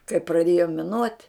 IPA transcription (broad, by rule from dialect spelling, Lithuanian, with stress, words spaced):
kɐɪ prɐˈdʲeːjoː mʲɪˈnuɔtʲ